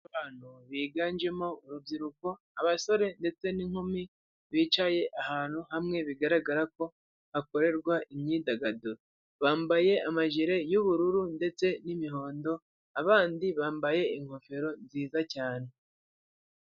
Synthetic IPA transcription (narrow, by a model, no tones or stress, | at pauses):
βaːn̥huβiːɡaːnd͡ʒe̞mo̞uɾubɟiɾuko̞ | aβaso̞ɾe̞nde̞t͡se̞niŋ̥humi | βiːt͡ʃaje̞ʔahaːn̥huhamŋe̞βiɡaɾaɡaɾako̞ | hako̞ɾe̞ɾɡwaʔimɲiːdaɡadoɾ | βaːmbaje̞amaʒiɾe̞juβuɾuɾunde̞t͡se̞nimiɦo̞ːndo̞ | aβaːndiβaːmbaje̞iŋ̥ho̞fe̞ɾo̞nziːzacaːn̥e̞